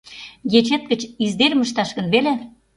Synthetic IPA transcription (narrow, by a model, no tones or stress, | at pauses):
jet͡ɕet̪̚kə̆t͡ɕizd̪eɾməʃt̪ɑʃɣə̆nβele